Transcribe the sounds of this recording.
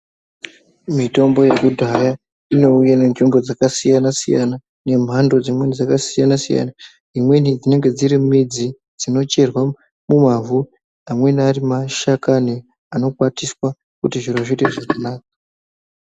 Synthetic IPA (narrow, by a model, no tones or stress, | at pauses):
mito̞mbo̞jekudʱaja | ino̞ujane̞nʐimbo̞d͡zakasijanasijana | ne̞m̤ʱando̞d͡zimwenid͡zakasijanasḭja̰na | imwe̞nid͡zine̞ŋɡe̞d͡ziɾimid͡zi | d͡zino̞t͡ʃe̞rwa | mumavu | amwe̞narimaʃakane | ano̞kwatiswa | kutiʐiroʐiteʐakanaːk̚a